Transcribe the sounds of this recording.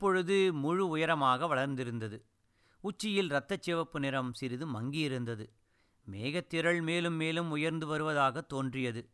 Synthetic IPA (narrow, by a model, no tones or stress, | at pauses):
ɪpːɔɻɯðɯmʊɻɯʊjɐɾɐmaːɣɐʋɐɭɐɾnd̪ɪɾɯnd̪ɐðɯ | ʊt͡ʃːɪjɪlɾɐt̪ːɐt͡ʃːeːʋɐpːɯnɪɾɐmsɪɾɪðɯmɐŋɡɪjɪɾɯnd̪ɐðɯ | meːɣɐt̪ːɪɾɐɭmeːlɯmːeːlɯmʊjɐɾnd̪ɯʋɐɾɯʋɐðaːɣɐt̪ːoːndrɪjɐðɯ